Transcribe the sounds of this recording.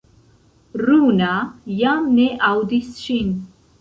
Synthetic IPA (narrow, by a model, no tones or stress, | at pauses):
ɾunajamneʔawd̪isɕin